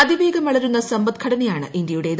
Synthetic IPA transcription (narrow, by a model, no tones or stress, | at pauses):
ɐd̪ibeːɡɐmʋɐɭɐɾunːɐsɐmbɐt̪̚kʰɐɽɐnɐjaːɳɨ̰ʔind̪jɐjuɽe̞ːð